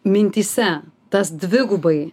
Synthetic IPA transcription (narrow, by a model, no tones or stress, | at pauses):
mʲɪnʲt̪ʲiːsʲɛt̪ɐsd̪ʲʋʲɪɡʊbɐɪ